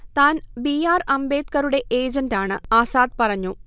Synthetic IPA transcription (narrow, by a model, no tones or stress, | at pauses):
t̪aːnbiaːrɐmbe̞ːt̪kɐɾuɽe̞ʔeːd͡ʑɐndaːɳɨaːsaːd̪̚pɐrɐɲːu